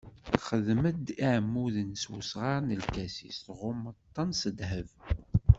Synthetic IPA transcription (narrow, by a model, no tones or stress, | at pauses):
θχəðməd̪iʕmːuðənswusʁɑɾˤnəlkæsḭstʁʊmːət̪ˤːɑnsəd̪ɦəv